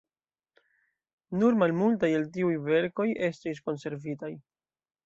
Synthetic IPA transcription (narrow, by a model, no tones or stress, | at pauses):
nuɾmalmultajeltiujve̞ɾko̞je̞stis̬ko̞nse̞ɾvitaj